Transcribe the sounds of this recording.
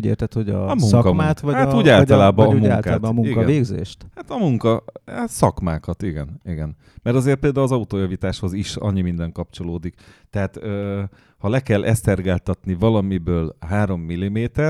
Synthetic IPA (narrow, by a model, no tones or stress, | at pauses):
ɟḛːrt̪ɛt̪hoɟɒɒmukɒmmaːt̪ʋɒhatuːɟaːlt̪ɔlaːbɒumuaŋːltkaːabmuŋiɡkɛveːɡzḛːʃt̪hat̪ɒmuŋkɒsɒkmaːkɒt̪iɡɛniɡɛn | mɛɾɒzeːrt̪peːld̪aːulɒzɒut̪oːjɒvit̪aːʃho̞ziʃɒ̰ɲːimind̪ɛŋkɒpt͡ʃo̞loːd̪ikt̪ɛɦaːt̪øː | hɒlɛkɛlʔɛst̪ɛrɡaːlt̪ɒt̪nivɒlɒmibøːlɦaːɾo̞mːilːimeːt̪ɛr